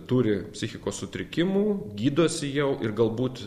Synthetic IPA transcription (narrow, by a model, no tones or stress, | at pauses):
t̪uːɾʲɪpʲsʲɪxʲɪkoːssʊt̪ʲɾʲɪkʲɪmuːɡʲiːd̪uɔsʲɪjɛʊʔɪrɡɐlˠbuːt̪